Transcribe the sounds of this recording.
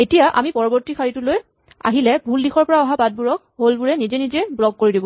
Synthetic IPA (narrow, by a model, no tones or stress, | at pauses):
etijaʔa̰mipɔɹɔbɔɹtikʰaɹitʊloj | a̰ɦilɛbʱuldixʰɔɹpɔɹaɔɦabad̚buɹɔk̚ | ɦolbuɹɛnizɛnizɛbuɹɔɡ̚koɹidibɔ